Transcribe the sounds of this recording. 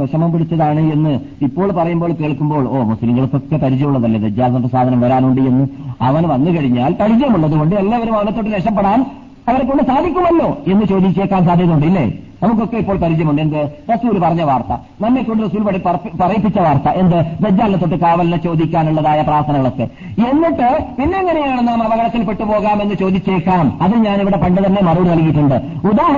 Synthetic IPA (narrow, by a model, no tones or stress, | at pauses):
ɐʂɐmɐmpiɽit͡ɕːɐðaːɳɨe̞nːɨ | ipːo̞ːɭpɐrɐjumboːɭke̞ːɭkːumbo̞ːɭoːmusliŋɡɐɭɨkːo̞kːe̞pɐɾid͡ʑɐjuɭːɐðɐlːɐded͡ʑːaːlɐt̪oʈːɨsaːd̪ʱɐnɐmʋɐɾaːnuɳɖɨje̞nːɨɐʋɐnʋɐnːɨkɐɻiɲːaːlpɐɾid͡ʑɐjɐmuɭːɐðuɣo̞ɳɖɨelːaːʋɐɾumɐʋɐnɐt̪ːo̞ʈːɨneʂɐpːeɽaːn | ɐʋɐɾekːo̞ɳɖɨsaːd̪ʱikʲːuɭːɐɐlːo̞ːe̞nːɨt͡ɕo̞ːd̪ikːe̞ːkːaːnsaːd̪ʱjɐðuɳɖɨilːḛnɐmukːo̞kːe̞ipːoːɭpɐɾid͡ʑɐjɐmuɳɖɨe̞nd̪ɨrɐsuːlupɐrɐɲːɐʋaːrt̪ɐ̰ | nɐmːekːoɳɖɨrɐsuːlpɐipɐrɐjipːit͡ɕːɐʋaːrt̪ɐʔe̞nd̪ɨʋed͡ʑːaːlnɐt̪ːo̞ʈːɨkaːʋɐlɐnɐt͡ɕo̞ːd̪ʱikʲːaːnuɭːɐðaːjɐpraːrt̪ʰɐnɐŋɐɭo̞kːḛ | e̞nːiʈːɨpinːɐŋːɐnejaːɳɨnaːmɐʋɐɣɐɽɐt̪ːilpe̞ʈːupo̞ːɣaːme̞nːɨt͡ɕo̞ːd̪it͡ɕːeːkːaːmɐðɨɲaːniʋiɽe̞pɐɳɖɨt̪ɐnːe̞mɐruːɽɨnɐlkijiʈːuɳɖɨ | ud̪aːɦ